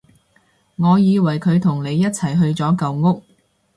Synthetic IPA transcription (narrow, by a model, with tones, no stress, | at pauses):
ŋɔː˨˧jiː˨˧wɐ˨˩jkʰɵ˨˧ɥt̪ʰʊ˨˩ŋne˨˧jːɐ˥t̚t͡sʰɐ˨˩jɦɵ˧ɥt͡sɔː˨˥kɐ˧wŋʊ˥k̚